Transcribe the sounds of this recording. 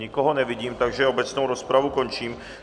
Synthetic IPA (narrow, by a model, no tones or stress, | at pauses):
ɲɪkɔɦɔnɛviɟiːmt̪aɡʒɛobɛt͡snowɾospɾavukont͡ʃiːm